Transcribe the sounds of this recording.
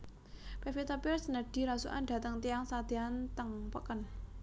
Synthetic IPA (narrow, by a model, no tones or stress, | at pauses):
pɛfit̪apɛrsnəɖ̥i̤ɾasuʔa̰nɖ̥̪ä̤t̪əŋt̪iaŋsad̪̥iant̪əŋpəkən